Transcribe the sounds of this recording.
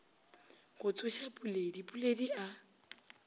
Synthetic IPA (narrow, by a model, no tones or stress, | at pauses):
kʊt͡sʼʊʃapʼuledipʼuledia